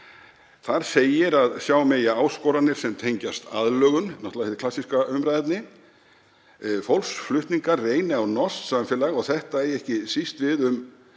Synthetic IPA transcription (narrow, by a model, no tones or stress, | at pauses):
θaɾ̥seːjɪɾaðsjaːwmejaaːwskɔːwɾanɪɾ̥sɛmt̪ʰejɲcast̪aðlœːɣʏnnɔht̪laθɛt̪klasiskaʏmɾajt̪nɪ | fowlsflʏht̪niŋkarreːjnɪawnɔst̪samfɛlaɣɔɣθɛht̪aɛjɛhcɪsist̪vɪðʏm